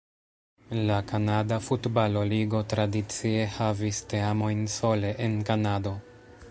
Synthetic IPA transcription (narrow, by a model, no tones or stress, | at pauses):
lakanadafutbalo̞liɡo̞tɾadit͡sie̞havisteamo̞jnso̞le̞ʔenkanado̞